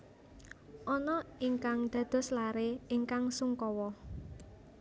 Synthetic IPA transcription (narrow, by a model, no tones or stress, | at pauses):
ʔɔnɔiŋkaŋd̪̥ä̤d̪̥ɔ̤slaɾeiŋkaŋsuŋkɔwɔ